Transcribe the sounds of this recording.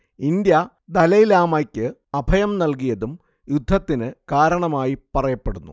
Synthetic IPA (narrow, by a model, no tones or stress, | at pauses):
ind̪jɐ | d̪ɐlɐjilaːmaːkʲːɨɐbʱɐjɐmnɐlk̬ijɐðum | jud̪ʱːɐt̪ːinɨkaːɾɐɳɐmaːjipɐrɐjɐpːeɽunːṵ